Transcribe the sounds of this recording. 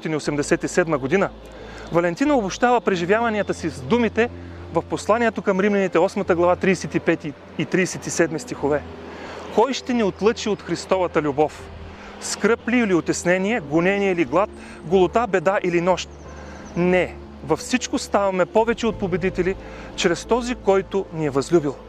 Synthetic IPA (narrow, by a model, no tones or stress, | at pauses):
ɔt̪iniosɛmd̪ɛsɛt̪isɛd̪məɡod̪inə | vɐlɛnt̪inɐobʊʃt̪avəpɾɛʒivjavɐniət̪əsizd̪umit̪ɛ | vɐfposlˠaniɛt̪okɐmɾimlɛnit̪ɛɔsmɐt̪əɡlˠɐvat̪ɾiːsɛt̪ipɛt̪iː | t̪ɾisɛt̪isɛd̪mist̪ixovɛ | kɔjʃt̪ɛniot̪lˠɤt͡ʃiot̪xɾist̪ɔvɐt̪əlʲubɔf | skɾɤpliːliot̪ʲɛsnɛniɛɡʊnɛnijɛiliɡlˠat̪̚ | ɡolˠot̪abɛd̪aʔilinɔʃt̪̚ | nɛ | vɐfsit͡ʃkʊst̪avɐmɛpɔvɛt͡ʃɛot̪̚pobɛd̪it̪ɛli | t͡ʃɾɛst̪ɔzikɔjt̪ʊniɛvɐzlʲubilˠ